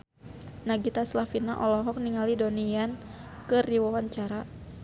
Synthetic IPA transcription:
naɡit̪aslafinaʔɔlɔɦɔk̚niŋalidoniankɨriwawaɲt͡ʃaɾa

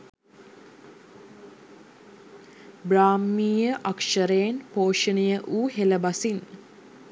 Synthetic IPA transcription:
bɾaːmːiːjəʔakʂəɾejːnpoːʃənəjəʔuːɦeləbasin

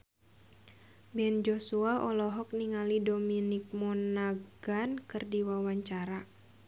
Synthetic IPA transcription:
bɛnd͡ʒɔsuaʔɔlɔɦɔk̚niŋalidominik̚mɔnaɡankɨrdiwawaɲt͡ʃaɾa

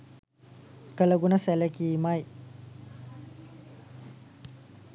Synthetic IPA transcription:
kɐlɐɡunɐselekimaj

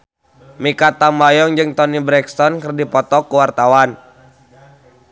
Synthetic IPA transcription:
mikat̪ambajɔŋd͡ʒɨŋt̪ɔnibɾɛkst̪ɔnkərdipɔt̪ɔkuwart̪awan

